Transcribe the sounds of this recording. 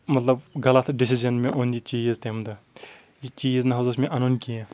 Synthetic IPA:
mɐt̪lɐbɡɐlɐt̪ʰɖisizɐnmẽʔonlit͡ʃiːzt̪ʰemd̪ɨ | jit͡ʃiːznɐɦozɐsmẽʔɐnonkiẽ

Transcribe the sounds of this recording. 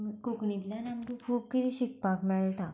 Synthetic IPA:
koknit̪ljanamd̪ukʰuːb̚kit̪iːɕik̚pakmɛɭʈ̪a

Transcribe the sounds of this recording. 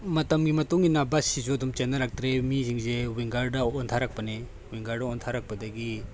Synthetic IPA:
mɐtɐmɡimɐtuŋinabɐsizoɐdumt͡ʃenːɐlak̚tɾemiziŋzewiŋɡɐɾdɐɔntʰaɾak̚pɐne | wiŋɡɐɾdɐɔntʰaɾak̚pɐdɐɡi

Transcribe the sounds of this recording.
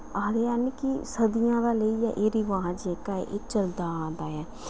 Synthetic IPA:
aːɾeːaːnikisəd̪ijãːd̪aːləiːjaːʔeːɾiʋaːd͡ʒeːkaːḛʔeːt͡ʃəld̪aːd̪aːjɛː

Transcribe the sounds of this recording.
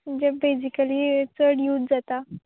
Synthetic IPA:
məd͡ʑebed͡zikaliːt͡səɽjut̪̚d͡zat̪a

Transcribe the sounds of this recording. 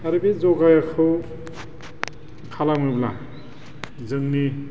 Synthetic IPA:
aɾɯbizɔɡajakʰɯw | kʰalamɯbla̰ | zɯŋni

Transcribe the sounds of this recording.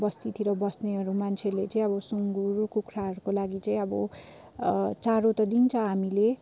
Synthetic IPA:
bʌst̪it̪iɾʌbʌsneɦʌɾumant͡sʰelet͡sʌĩʌbʌsuŋɡuɾukukʰɾaɦʌɾukolaɡit͡sʌĩʌbʌ | t͡saɾot̪ʌd̪int͡sʰʌɦamile

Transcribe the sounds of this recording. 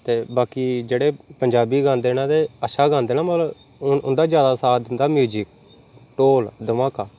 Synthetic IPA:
t̪eːbaːkiːd͡ʒeːɽeːpəɲd͡ʒaːbiːɡãːnd̪eːnãːd̪eːəʃaːɡãːnd̪eːnaːmət̪ləb | ʊnd̪aːzjaːd̪aːsaːd̪ɪnd̪aːmjuːd͡ʒɪk̚ | ʈoːld̪əmaːkaː

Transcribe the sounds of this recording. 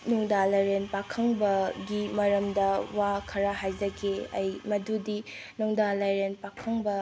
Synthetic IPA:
nɔŋdalaɾenpakʰɐŋbɐɡimɐɾɐmdɐwakʰɐɾaɦajd͡ʒɐɡeɐ̰jmɐdudi | nɔŋdalajɾenpakʰɐŋbɐ

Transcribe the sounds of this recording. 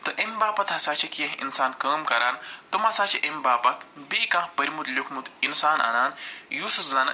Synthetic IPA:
t̪ɐʔembaːpɐt̪ɦɐsaːt͡ʃʰɐkijɐ̃ɦḭnsaːnkɐːmkɐɾaːnt̪umɐsaːt͡ʃʰɐʔembaːpɐt̪bikãːɦpɐɾimut̪lʲokʰmut̪insaːnʔɐ̰naːnjusɨszɐn

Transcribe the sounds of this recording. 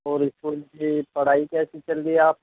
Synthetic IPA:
ɔːɾɪskoːlbipɐɽ̤aːikɛːsit͡ʃɐldieaːp̚

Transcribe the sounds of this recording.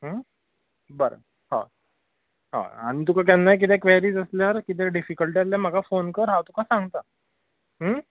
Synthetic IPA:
ɦə | bəɾə̰ | ha̰ | ɦã̰a̰ɽ̃it̪ukak̬janːajk̬it̪ʰɛkʋɛɾiːd͡zəsljaɾkit̪̬ɛɖifikəlʈiasljam̤əɡʱafonkəɾɦawt̪ukʰasãŋɡt̪a | ɦ

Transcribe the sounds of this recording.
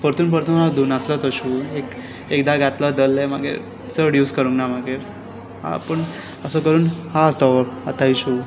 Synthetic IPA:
pəɾt̪uːnpəɾt̪uːnad̪uːnaslət̪əɾɕuek | ekd̪aɡat̪ləd̪əlemaɡḛ | t͡səɽjuːskəɾũŋknamaɡe | a̰pəɳ | əsəkəɾuːnhaəst̪ɔat̪aiɕu

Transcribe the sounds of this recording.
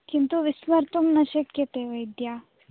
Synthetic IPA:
kint̪uʋɪsʋɐɾt̪umnɐʃɐkjɐt̪eʋɐjd̪ja

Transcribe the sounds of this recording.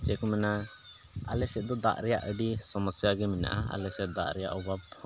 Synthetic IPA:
t͡ʃɛkɔmɛna | alɛsɛt̪̚d̪ɔd̪a̰ʔɾɛja̰ʔəɖisɔmɔsjaɡɛmina̰ʔaa̰lɛsɛt̪̚d̪aʔɾɛja̰ʔubab

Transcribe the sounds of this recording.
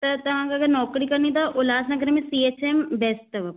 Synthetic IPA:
t̪ɐt̪ɐʋ̤ãːkaɐɡəɾnɔːkɾikɐɾnit̪ɐʊlaːsnakəɾemẽsieːt͡ʃembeːsʈɐʋɐ

